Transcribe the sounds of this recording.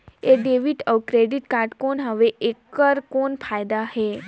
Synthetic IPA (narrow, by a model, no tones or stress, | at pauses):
eɖeʋiʈəʋkɾeɖiʈkaɾʈkonɦəʋeʔekːəɾkonfajd̪aɦe